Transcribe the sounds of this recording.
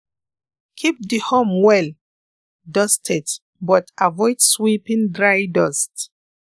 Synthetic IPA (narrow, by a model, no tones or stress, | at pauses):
kʰip̚dihõmwɛl | dɔstʰɛt | bɔtavɔjdswipĩŋdɹajdɔst